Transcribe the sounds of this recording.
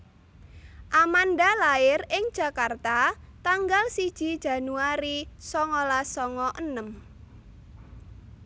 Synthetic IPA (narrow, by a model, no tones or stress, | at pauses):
ʔamanɖalaɪrɪŋd̥ʒ̥ä̤kart̪at̪aŋɡalsid̥ʒ̥i̤d̥ʒ̥ä̤nuaɾisɔŋɔlasɔŋɔʔənəm